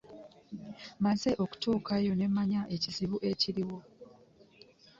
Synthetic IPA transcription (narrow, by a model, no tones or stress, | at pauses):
manseʔo̞ku̥tuːkʰajo̞ne̞mːaɲaʔe̞cisiβuʔe̞ciɾiwo̞